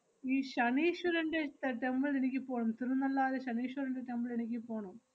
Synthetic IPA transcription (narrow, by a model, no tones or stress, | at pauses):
iːɕɐɳiːɕɐɾɐɳɖet̪ːeʈembɐɭenikʲːɨpoːɳumt̪irunːɐlːaːðeɕɐniːɕuɾɐɳɖeʈembɨɭenikʲːɨpo̞ːɳum